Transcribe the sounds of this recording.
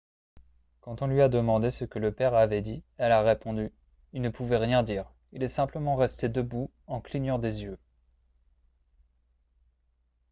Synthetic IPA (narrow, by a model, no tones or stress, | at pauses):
kɑ̃t̪ɔ̃lɥiad̪əmɑ̃d̪esəkələpɛʁavɛd̪iɛlaʁepɔ̃d̪y | ilnəpuvɛʁjɛ̃d̪iʁ | ilɛsɛ̃pləmɑ̃ʁɛst̪ed̪əbu | ɑ̃kliɲɑ̃d̪ezjø